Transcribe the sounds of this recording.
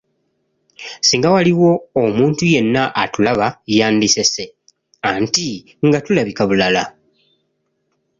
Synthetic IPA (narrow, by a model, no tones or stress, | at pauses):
siːŋɡawaliwo̞ːmuːntuje̞nːaʔːtulaβajaːndise̞se̞ | anti | ŋɡatulaβikaβulala